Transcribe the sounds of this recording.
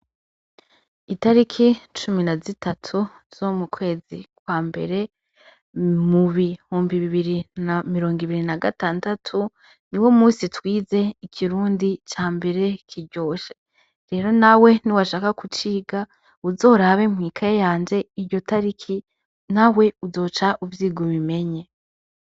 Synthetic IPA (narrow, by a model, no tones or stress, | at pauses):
itaɾikʰit͡ʃuminazitʰatʰu | z̥omukwe̞ːzikwaːmbe̞̰ɾe̞ | muβihuːmbiβiβiɾinamiɾo̞ːŋɡiβiɾinaɡataːndatʰu | niwo̞muːsitwiːze̞ikʰiɾuːndit͡ʃaːmbe̞ɾe̞kʰiɾɟo̞ːʃe | ɾe̞ːɾo̞nawe̞niwaʃaːkakut͡ʃiːɡa | uzo̞ːɾaβe̞mŋiːkʰaejaːnd͡ʒe̞iɾɟo̞taɾikʰi | nawe̞uzo̞ːt͡ʃaʔuvjiːɡoβime̞ɲe̞